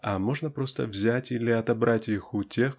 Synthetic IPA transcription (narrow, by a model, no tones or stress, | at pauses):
ɐmo̞ʐnəpɾo̞st̪ə̰vzʲætʲilʲɪɐt̪ɐbɾʔatʲixʊtʲe̞x